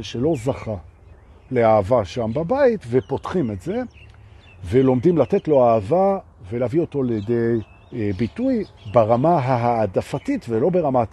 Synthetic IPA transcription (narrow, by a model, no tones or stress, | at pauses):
ʃelo̞zaχa | le̞aavaʃambabaitve̞potχimetze̞ | velo̞mdimlate̞tlo̞aːvavelavio̞to̞aljede̞j | bitujbaʁamaɦaɦaːdafatitvelo̞beʁama